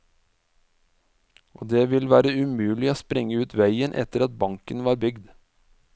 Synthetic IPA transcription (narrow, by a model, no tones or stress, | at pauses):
ʔo̰ːd̪eːʋɪlʋæːɾəʉmʉːlɪoːspɾɪŋəʉːt̪ʰʋæɪənʔɛ̰t̪əɾɑt̪̚bɑŋkənʋɑːɾbʏɡd̪